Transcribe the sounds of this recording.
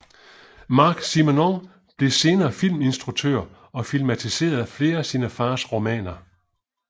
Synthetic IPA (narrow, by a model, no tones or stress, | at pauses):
mɑ̈ːɡ̥simonɒŋ | b̥le̝se̝ːnɐːfil̰me̝nsd̥ʁuɡ̥̚t͡sʰøɐ̰ | ɒ̽filmæt͡sʰise̝̰ːɐð̞ˠæfle̝ːɐæsinəfɑ̈ːsʁo̝mɛ̰ːnɐ